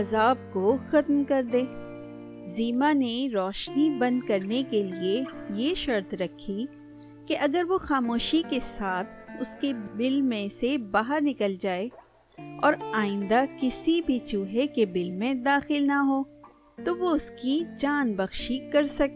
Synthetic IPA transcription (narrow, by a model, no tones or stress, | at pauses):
ɐzaːb̚koxɐt̪mkɐɾd̪eː | ziːmaneɾɔːʃnibɐ̃nd̪̚kɐɾnekeliejeʃɐɾt̪ɾɐkʰːi | keʔɐɡəɾʋoxaːmoːʃikesaːt̪ʰʊskebɪlmẽsebaːɦəɾnɪkəld͡ʒaːe | ɔːɾaːɪ̃nd̪akɪsibʱit͡ʃuːɦekebɪlmẽd̪aːxɪlnaɦoː | t̪oʋoʊskit͡ʃaːnbɐɣʃikɐɾsɐke